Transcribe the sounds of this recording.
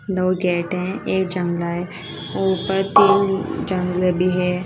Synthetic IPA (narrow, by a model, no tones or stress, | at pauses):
d̪oːɡɛːʈɦɛ̃eːk̚d͡ʒɐ̃ŋɡlaɦe | oːpəɾt̪iːnd͡ʒə̃ŋɡlbʱiɦɛː